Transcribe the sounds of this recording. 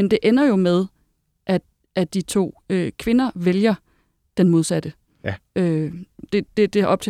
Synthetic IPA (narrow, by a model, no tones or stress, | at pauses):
mend̥e̝ʔenɐjo̝með̞ˠ | ʔæ̥ | æd̥it͡sʰo̝̰ːøkʰʋe̝nɐʋeljɐ | d̥enmo̝ð̞ˠsæd̥ə | ød̥e̝d̥e̝d̥e̝ʔɒ̽b̥̚t͡sʰe